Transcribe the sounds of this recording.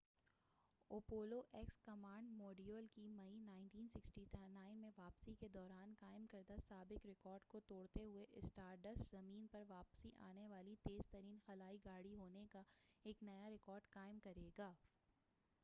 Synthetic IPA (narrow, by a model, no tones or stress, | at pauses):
oːpoːloʔɛkskɐmaːɳɖmɔːɖiolkimɐinaːɪ̃nʈiːnsɪksʈinaːɪnmẽʋaːpsiked̪ɔːɾaːnkaːɪmkɐɾd̪asaːbɪkɾɪkɔːɾɖkot̪oːɽt̪eɦʊeʔɪsʈaːɾɖɐszɐmiːnpɐɾʋaːpsiʔa̰ːneʋaːlit̪eːz̥t̪ɐɾiːnxɐlaːiɡaːɽiɦoːnekaeːknɐjaɾɪkɔːɾɖkaːɪmkɐɾeːɡaː